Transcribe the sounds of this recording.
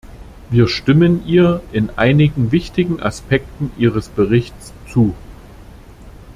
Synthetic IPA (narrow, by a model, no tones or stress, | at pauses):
viːɐʃtɪmənʔiːɐɪnʔaɪnɪɡŋ̩vɪçtɪɡŋ̩ʔa̰spʰɛk̚tn̩ʔiːʁəsb̥əʁɪçt͡s | t͡suː